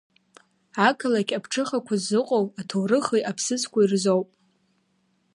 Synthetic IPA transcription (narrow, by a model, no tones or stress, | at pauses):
akʰɨlakʲʼapʰʈ͡ʂʰɨχakʷʰazːɨqʼowatʰowrɨχijapʰsɨt͡sʰkʷʰairzowpʼ